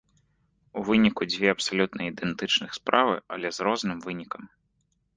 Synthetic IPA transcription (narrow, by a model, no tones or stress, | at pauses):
uvɨnʲikud͡zʲvʲɛɐpsalʲut̪nɐid̪ɛnt̪ɨt͡ʂnɨxspɾavɨɐlʲɛzɾɔznɨmvɨnʲikɐm